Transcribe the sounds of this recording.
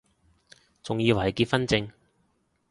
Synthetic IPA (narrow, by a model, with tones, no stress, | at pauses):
t͡sʊ˨ŋjiː˧wa˨˩jkiː˧t̚fɐ˥nt͡sɪ˧ŋ